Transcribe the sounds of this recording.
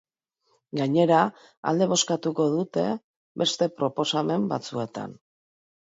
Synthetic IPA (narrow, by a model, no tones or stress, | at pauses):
ɡaɲe̞ɾa | a̰ld̪e̞βo̞skat̪uko̞ðut̪e̞ | be̞st̪e̞pɾo̞po̞same̞mbat͡sue̞t̪a̰n